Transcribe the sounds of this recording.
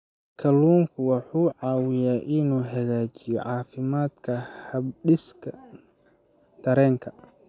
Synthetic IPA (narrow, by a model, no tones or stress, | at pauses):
kʰɐluːŋkʰʊwɑħuːʕɑːwɪjaːʔɪnuːɦɐɣaːt͡ʃɪjɔ̰ʕɑːfɪmaːd̪kʰɐhɐbɖɪskʰɐ | d̪̥ɐɾɛːŋkʰɐ̥